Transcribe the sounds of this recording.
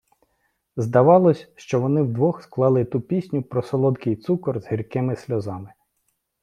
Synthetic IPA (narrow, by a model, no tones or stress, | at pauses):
zd̪ɐʋɑlˠɔsʲʃt͡ʃɔʋɔnɪwd̪ʋɔxsklˠɑlˠɪt̪upʲisʲnʲʊpɾɔsɔlˠɔd̪kɪjt̪sukɔrz̥ɦirkɪmɪsʲlʲɔzɑmɪ